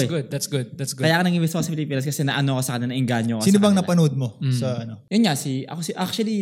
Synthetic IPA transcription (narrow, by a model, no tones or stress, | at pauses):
ɡʊd̪̚d̪at̪sɡʊd̪̚d̪at̪sɡʊkɐjakonɐɡibɪskosɐpɪlipiːnɐskɐsɛnɐʔɐnokosɐkɐnɐnɐʔɪŋɡaɲokosiːsnobɐŋnɐpɐnod̪̚mosɐɐnojʊnɲasiʔɐ̰kosiʔak̚t͡ʃuɐli